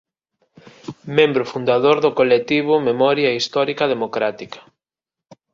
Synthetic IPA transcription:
mẽmbɾʊfund̪aðoɾðʊkolekt̪iβ̞ʊmemɔɾjɐist̪ɔɾikɐðemokɾat̪ikɐ̥

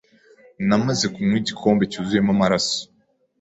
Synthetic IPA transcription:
namaze̞kumŋiːɟikʰo̞ːmbe̞cuzuje̞mamaɾaso̥

